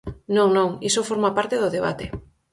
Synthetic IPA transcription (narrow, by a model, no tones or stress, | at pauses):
nõŋnõŋisofoɾmapaɾt̪eðʊðeβ̞a̰t̪e